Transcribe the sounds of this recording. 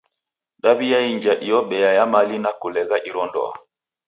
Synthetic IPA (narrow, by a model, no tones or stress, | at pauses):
ɗabijaiɲd͡ʒaʔijɔɓɛjajamalinakulɛɡaʔiɾɔndɔ̰a̰